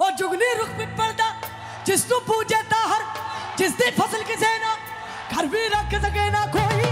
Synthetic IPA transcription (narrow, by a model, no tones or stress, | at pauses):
oːd͡ʒʊɡliːɾʊkmɪʈ̚pɐɽd̪aː | d͡ʒɪst̪ũːpuːd͡ʒeːt̪aːɦɐɾd͡ʒɪsd̪iːpʰɐsəlkɪseːnaː | ɡʱɐɾʋiːɾɐkʰsɐɡeːnaːkʰoːi